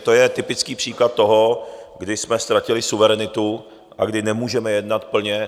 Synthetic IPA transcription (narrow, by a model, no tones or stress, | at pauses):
t̪ojɛt̪ɪpɪt͡skiːpr̥iːklat̪̚ːo̞ɦo̞ɡdɪsmɛst̪ɾacɪlɪsuvɛɾɛnɪt̪u | ʔa̰ɡdɪnɛmuːʒɛmɛjɛdnat̪pl̩ɲɛ